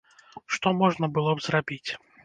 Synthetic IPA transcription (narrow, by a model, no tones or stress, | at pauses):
ʂt̪ɔmɔʐnɐbɨlˠɔbzrabʲit͡sʲ